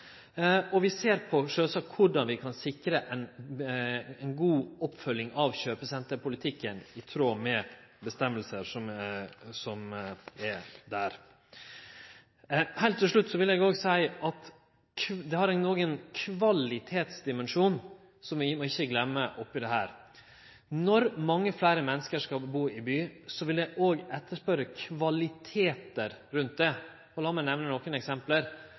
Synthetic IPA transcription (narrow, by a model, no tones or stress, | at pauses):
ɔʋɪseːɾpʰɔʂøːsɑkʰʊɖɑnʋɪkʰɑnsɪkɾəʔɛn | ɛɪnɡuːɔpːfœlːɪŋʔɑʋɕøːpəsɛnt̪əɾpʰʊlɪt̪ʰɪkːənɪt̪ʰɾoːmɛbəst̪ɛmːəlsəɾʂɔmsɔmɛd̪æɾ | hɛɪlt̪t̪ːɪlʂɭʉt̪ːsɔʋɪljɛɡoːɡsæɪʔɑt̪ʰ | d̪ɛhɑɾɛɪnnoːɡənkʰʋɑlɪt̪ʰeːt̪sd̪ɪmɛnʂuːn | sɔmʋmɔɪçːəɡlɛmːəʔɔpːɪd̪ɛɦæːɾ | nɔɾmɑŋːəflæːɾəmɛnːəskəʂkɑbuːɪbyːsɔʋɪljɛɪʔoːɡɛt̪ːəʂpœɾəkʰʋɑlɪt̪ʰeːt̪əɾɾʉnt̪̚d̪ɛ | ɔlɑːmɛnɛʋnənɔkənɛksɛmpləɾ